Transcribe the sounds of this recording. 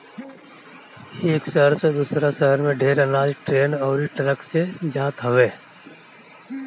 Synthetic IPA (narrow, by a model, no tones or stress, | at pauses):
eːkʃəɦəɾsed̪uːsɾasəɦəɾmẽɖʱeːɾənaːd͡ʒʈɾeːnɔːɾiʈɾəksed͡ʒaːt̪ɦəʋeː